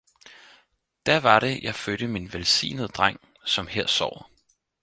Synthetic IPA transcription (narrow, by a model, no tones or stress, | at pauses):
d̥æɐʋɑ̈ɾ̥e̝jʔɑ̈ɪfød̥əminʋelsḭːnəð̩ˠd̥ʁaŋ̰ | sɒ̽mheɐ̰sɒʊ̰